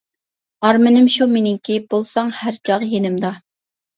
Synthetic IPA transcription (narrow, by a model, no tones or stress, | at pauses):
ɑɾmɪnɪmʃumenɪŋkʲibolˠsɑŋhæɾt͡ʃʰɑʁjenɪmd̪ɑ